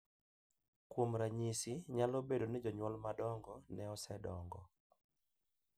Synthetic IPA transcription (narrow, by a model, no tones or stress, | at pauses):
kwomɾaɲisiɲalobedonɪd͡ʒɔɲwɔlmadɔŋɡɔnɛɔsɛdɔŋɡɔ